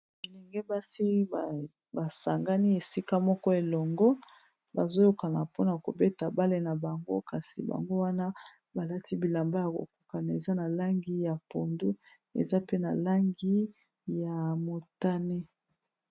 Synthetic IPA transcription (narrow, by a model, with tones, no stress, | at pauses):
i˨lɛ˨ŋɡɛ˦ba˦si˦˨ | ba˨sa˨ŋɡa˦ni˦e˨si˦ka˦mɔ˦kɔ˦e˨lɔ˨ŋɡɔ˦ | ba˨zo˦jo˦ka˨na˨po˦na˨ko̰˨be˦ta˨ba˦le˦na˨ba˨ŋɡo̰˦ka˨si˨ba̰˨ŋɡo˦wa˦na˦ | ba˨la˦ti˦bi˨la˨mba˦ja˨ko̰˨ku̥˦ka˨na˨e˨za˦na˨la˦ŋɡi˦ja˨po˨ndu˦ | ḛ˨za˦pe˦na˨la˦ŋɡi˦ | ja˨mo˨ta˦ne˦